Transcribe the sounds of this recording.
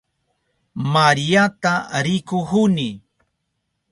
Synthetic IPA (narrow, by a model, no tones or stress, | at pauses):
maɾijat̪aɾɪkʊhʊnɪ